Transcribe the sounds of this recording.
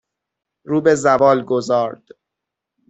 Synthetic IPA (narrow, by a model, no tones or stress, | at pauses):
ɾuːbe̞zævɒːlɡozɒːɾd̪̥